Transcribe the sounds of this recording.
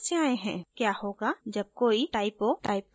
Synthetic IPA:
seaːeɦɛ̃kjahoɡad͡ʒɐb̚koːiʈaːɪpoʈaːɪp

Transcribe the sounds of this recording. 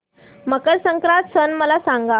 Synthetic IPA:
məkəɾsəŋkɾat̪sənməlasaŋɡa

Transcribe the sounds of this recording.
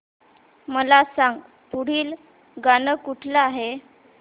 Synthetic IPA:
məlasãŋɡ | puɽ̤iːl | ɡanəkuʈʰlaːɦe

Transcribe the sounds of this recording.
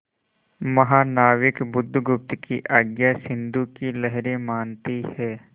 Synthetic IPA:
mɐɦaːnaːʋɪkbʊd̪ʱːɡʊp̚t̪kiʔaːɡjasɪ̃nd̪ukilɐɦɾẽmaːnt̪ihɛː

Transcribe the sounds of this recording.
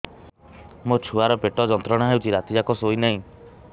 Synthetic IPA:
mot͡ʃʰuaɾɔpeʈɔd͡ʒɔnt̪ɾɔɽ̃aɦewt͡ʃʰiɾat̪id͡ʒakɔsoinaɦĩ

